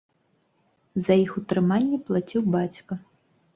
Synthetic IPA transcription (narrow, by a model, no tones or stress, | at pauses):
zɐjixut̪ɾɨmanʲːɛplˠat͡sʲiwbat͡sʲkɐ